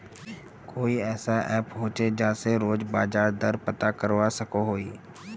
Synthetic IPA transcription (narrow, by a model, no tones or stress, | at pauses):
koːiɛːsaʔɛːpɦoːt͡ʃed͡ʒãːseɾoːd͡ʒbaːd͡ʒaːɾd̪əɾpət̪akəɾʋasəkoɦoːiː